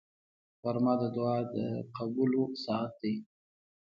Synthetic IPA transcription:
faɾmɑd̪əd̪ʊɑd̪əqabulosɑat̪̚d̪e

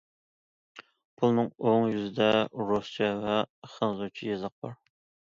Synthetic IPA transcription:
pʰulˠnɨŋoŋjyzɪd̪ɛɾost͡ʃʰɛvɛχənzut͡ʃʰijezɑq̚bɑɾ

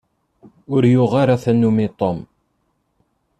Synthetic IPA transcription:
ʊɾjʊʁaɾaθænːumit̪ˤom

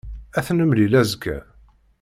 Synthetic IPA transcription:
æθnəmlilæzkːæ̰

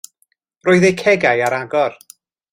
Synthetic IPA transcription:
roːɨðejkʰɛɡajaɾaɡɔr

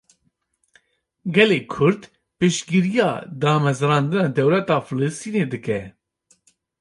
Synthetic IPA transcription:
ɡɛleːkʰʊɾd̪ | pɨʃɡiɾijɑ̰ːd̪ɑːmɛzɾɑːnd̪ɨnɑːd̪ɛwlɛt̪ɑːfɨlɨst̪iːneːd̪ɨkɛ

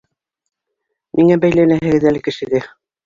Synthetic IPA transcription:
mʔiŋæbæjlænæɦɘ̆ɡɘ̆ðælɘ̆kɘ̆ʃɘ̆ðɘ

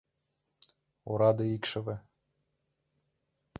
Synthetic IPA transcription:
oɾɑd̪ɤikʃɘ̆vɘ̆

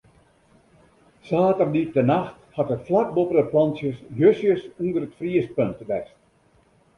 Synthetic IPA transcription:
saːtərdip̚tənaxthɑtətflak̚bopərəplɑnsjəsjøsjəsundərətfriəspøntʋɛst

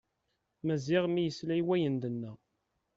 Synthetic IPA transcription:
mæzɪʁmijəslæjwæjənd̪ənːæ

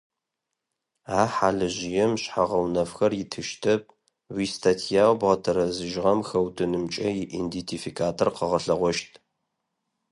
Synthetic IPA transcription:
aːħaːɮɨʒɪjɛmɕħaʁɐwnɐfxɐrjɪtʰɨʃtʰɐp̚ | wiːstʰatʰijaːwbʁɐtʰɐɾɐzɨʒʁɐmxɐwtʰɨnɨmt͡ʃʼɐjɪʔindentʰifikʰaːtʰorqəʁɐɬɐʁʷɔʃtʰʼ

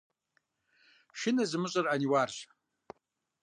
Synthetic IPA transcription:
ʃɪnazmɨɕʷʼɨraniwarʃʷ

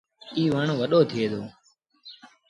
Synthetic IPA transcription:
iːʋəɳʋəɗoːt̪ʰɪeːd̪oː

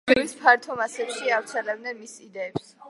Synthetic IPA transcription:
ivispʰaɾt̪ʰɔmasɛpʃiavɾt̪sʰɛlɛbnɛnmisid̪ɛːps

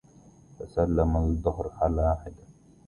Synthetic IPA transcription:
fasalːamad̪ˤːʊhɾħalaħɪd̪a

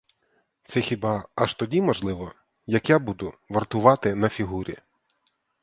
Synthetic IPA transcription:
t̪sɛxʲibɑɐʃt̪ɔdʲimɔʒlˠɪʋɔ | jɐkjabud̪ʊʋɐrt̪ʊʋɑt̪ɪnɐfʲiɦuɾʲḭ

